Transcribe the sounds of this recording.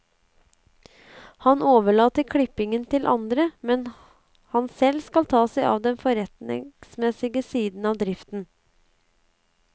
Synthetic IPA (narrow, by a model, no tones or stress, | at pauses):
hɑnoːʋəɭɑːt̪əkʰɽɪpɪŋənt̪ʰɪlʔɑ̰nd̪ɾəmɛn | hɑnsɛlskɑlt̪ʰɑːsæɪʔɑ̰ːʋd̪ɛnfɔɾɛt̪nɪ̰ŋsmɛsɪɡəsiːd̪n̩ɑːʋd̪ɾɪft̪n̩